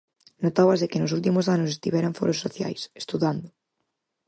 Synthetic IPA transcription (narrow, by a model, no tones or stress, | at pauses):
not̪awɐzðekɪnʊsult̪imʊsanʊsest̪iβɛɾaɱfo̰ɾosːoθja̰jse̥st̪uðand̪ʊ